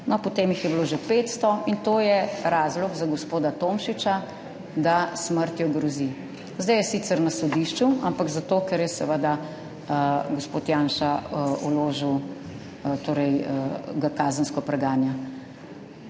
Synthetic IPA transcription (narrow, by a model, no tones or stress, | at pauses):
nɔpɔt̪eːmjixjɛbloʒɛpeːt̪st̪ɔint̪oːjɛɾaːzlɔɡzaɡɔspoːd̪at̪omʃit͡ʃa | d̪asməɾt̪jɔɡɾɔzi | zd̪ɛjɛsit̪sɛɾnasɔd̪iʃt͡ʃuampaɡzat̪oːkɛɾjɛsɛʋəd̪a | ɡospoːt̪jaːnʃaṵloːʒiw | t̪oːɾɛjɡakaːzənskɔpɾɛɡaːnja